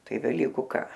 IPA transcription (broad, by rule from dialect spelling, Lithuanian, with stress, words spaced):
ˈtɐɪ ʋʲɛˈlʲiːkʊ ˈkɑː